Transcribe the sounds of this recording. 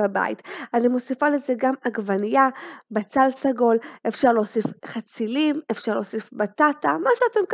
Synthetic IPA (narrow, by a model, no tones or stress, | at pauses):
aba̰jḭtanimosifalezeɡamaɡvanijabat͡salsaɡo̞lʔefʃaʁlo̞ːsifχat͡silimefʃaʁlo̞ːsifbatatamaʃeate̞mk